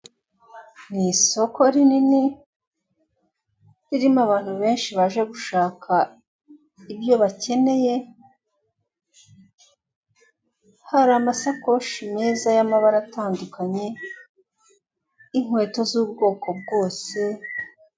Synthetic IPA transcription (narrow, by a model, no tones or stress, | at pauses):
niso̞kʰo̞ɾinini | ɾiɾimaβaːn̥huβe̞ːnʃiβaʒe̞ɡuʃaːkʰa | ibjo̞βace̞ne̞je̞ | haɾamasako̞ʃimeːzajamaβaɾataːndukaɲe̞ | iŋ̥we̞ːto̞zuːbɡo̞ːko̞b̚ɡo̞ːse̞